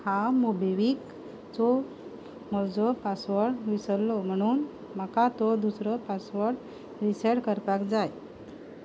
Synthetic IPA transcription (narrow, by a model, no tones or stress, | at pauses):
hamobeʋik | t͡sɔ | mɔd͡zɔpasʋəɽʋisəlːɔm̤əɽ̃uːn | məkat̪ɔd̪usɾəpasʋəɽ | ɾiseɽkəɾpakd͡zaj